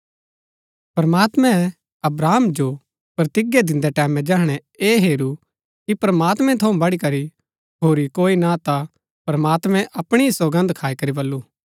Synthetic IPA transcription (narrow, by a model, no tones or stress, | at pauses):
pɾɐmaːt̪mɛ̃ | ɐbɾaːmd͡ʒo | pɾɐt̪ɪɡjed̪ɪ̃nd̪ɛʈɛːmɛ̃d͡ʒɐːɦɽ̃ɛ | eːɦeːɾu | kipɾɐmaːt̪mɛ̃t̪ʰɐũbɐɽikɐɾi | ɦoːɾikoːinat̪a | pɾɐmaːt̪mɛ̃ʔɐpɽ̃isɐɡə̃nd̪kʰaːikɐɾibɐlːuː